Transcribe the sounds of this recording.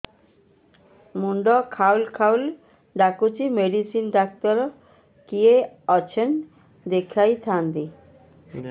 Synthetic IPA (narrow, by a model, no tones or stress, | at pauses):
muɳɖɔkʰawlkʰawl | ɖakut͡ɕimeɖisinɖak̚t̪ɔɾ | kie | ɔt͡ɕʰen | d̪ekʰajt̪ʰand̪i